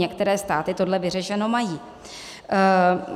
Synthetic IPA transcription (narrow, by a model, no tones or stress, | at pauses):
ɛkt̪ɛɾɛːst̪aːt̪ɪt̪o̞dlɛvɪr̝ɛʃɛno̞majiː